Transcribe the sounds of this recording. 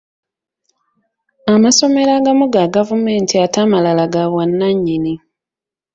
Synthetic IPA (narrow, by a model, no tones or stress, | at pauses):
amaso̞me̞ɾaɡamuɡaɡavume̞ːntʰiatamalalaɡaβwanːaɲːini